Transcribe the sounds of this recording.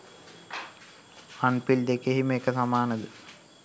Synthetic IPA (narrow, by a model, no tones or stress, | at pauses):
ɐnpild̪ekːeɦimekːɐsɐmaːnɐd̪ɨ